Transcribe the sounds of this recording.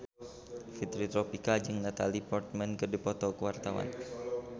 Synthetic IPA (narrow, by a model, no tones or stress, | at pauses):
fit̪ɾit̪ɾɔpikad͡ʒɨŋnat̪alipɔrt̪̚mɛnkɨrdipɔt̪ɔkəwart̪awa̰n